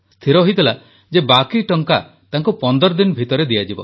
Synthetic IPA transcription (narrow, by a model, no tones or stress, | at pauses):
st̪ʰiɾɔɦojt̪ila | d͡ʒebakiʈɔŋka | t̪aŋkupɔnd̪ɔɾɔd̪inɔbʱit̪ɔɾed̪ijad͡ʒibɔ